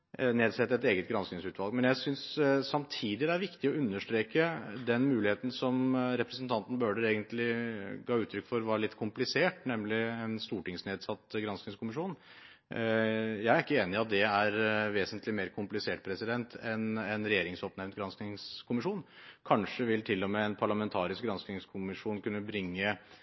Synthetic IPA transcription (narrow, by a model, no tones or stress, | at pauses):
neːd̪sɛt̪ːɛt̪eːɡət̪ɡɾɑnsknɪŋsʉːt̪ʋɑlɡ̚mɛnjæɪsʏnsːɑmt̪ʰiːd̪ɪd̪ɛæɾʋɪkt̪ɪɔʉnːəʂʈɾeːkəd̪ɛnmʉːlɪheːt̪n̩sɔmɾɛpɾɛsənt̪ʰɑnt̪n̩bøːɖəɾeːɡənt̪lɪɡɑːʉːt̪ʰɾʏkːfɔɾʋɑːɾɭɪt̪kʰʊmplɪseːʈnɛmlɪɛnst̪uːʈɪŋsneːd̪sɑt̪ːɡɾɑnsknɪŋskʰʊmɪʂuːn | jæɪæɾɪkːəeːnɪɑt̪̚d̪ɛæɾʋeːsənt̪ʰlɪmeːɾkʰʊmplɪseːʈ̚pʰɾɛsɪd̪ɛnt̪ʰɛnɛnɾɛjeːɾɪŋsopnɛʋnt̪ɡɾɑnsknɪŋskʰʊmɪʂuːnkʰɑnʂəʋɪlt̪ʰɪlːɔmɛɛnpʰɑɭɑmɛnt̪ʰɑːɾɪsk̚ɡɾɑnsknɪŋskʰʊmɪʂuːnkʉnːəbɾɪŋːə